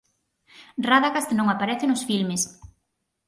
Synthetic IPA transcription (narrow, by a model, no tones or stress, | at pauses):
raðaɣast̪nõŋapaɾɛθɪnʊsfilmɪs